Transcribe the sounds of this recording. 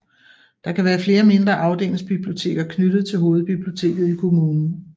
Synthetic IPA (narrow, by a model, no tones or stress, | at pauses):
d̥ɑ̈kʰæʋæːɐfle̝ːɐme̝nd̥ʁɐʔɑ̈ʊd̥e̝̰lŋsb̥ib̥lio̝t͡sʰe̝̰ːɡ̥ɐkʰnyd̥ð̞̩ˠt͡sʰe̝lɦo̝ːð̩ˠb̥ib̥liot͡sʰe̝̰ːɡ̥ð̞̩ˠikʰo̝muːnn̩